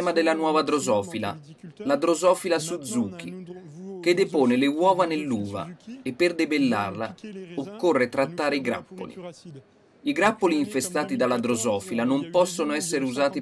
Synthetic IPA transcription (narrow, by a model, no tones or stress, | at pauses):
mad̪elːanwɔːvad̪ɾozɔːfila̰lad̪ɾozɔːfilasud̪zːuːk̟ḭk̟ed̪epoːnelewɔːvanelːuːva̰epːerd̪ebelːa̰rla̰okːorːet̪ɾat̪ːaːɾeiɡɾa̰pːo̰lḭ | iɡɾapːoliːɱfest̪aːt̪id̪alːad̪ɾozɔːfilanompɔsːonoɛsːeɾeuzaːt̪i